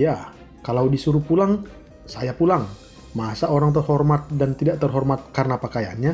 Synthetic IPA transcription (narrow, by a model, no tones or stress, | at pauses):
ja | kalawdisuɾupulaŋ | sajapulaŋ | masaoɾaŋt̪̬ərɦɔrmat̪̚dant̪idaʔt̪ərɦɔrmat̪̚karnapakaja̰nɲa